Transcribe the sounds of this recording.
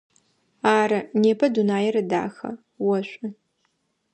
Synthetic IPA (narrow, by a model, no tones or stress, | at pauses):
aːɾɐneːpʰɐdunaːjɛɾɐda̰ːxɐ̰ | wɐɕʷʼɪ